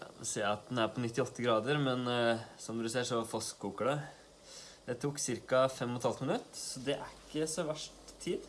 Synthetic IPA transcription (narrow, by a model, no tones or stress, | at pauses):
kʰɑ̰nɛseːɑt̪̚d̪ɛnæɾpʰɔnɪt̪ːɪɔt̪ːəɡɾɑːd̪əɾmɛnsɔmd̪ʉsɛːʂɔfɔskʰːuːkəɖɛ | d̪̥ɛt̪ʰuːksɪɾkɑfɛmːɔt̪hɑlt̪mɪnʉt̪ːsɔd̪ɛʔæɾɪkːəsɔʋæʂʈt̪ʰːiːd̪